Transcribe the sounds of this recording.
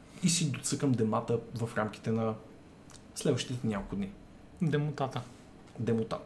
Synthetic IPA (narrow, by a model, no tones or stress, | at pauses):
isid̪ot̪sɤkəmd̪ɛmat̪əvɐfɾamkʲi̥t̪ɛnɐ | slɛd̪vəʃt̪it̪ɛnʲakolkʊd̪ni | d̪ɛmot̪at̪ə | d̪ɛmot̪a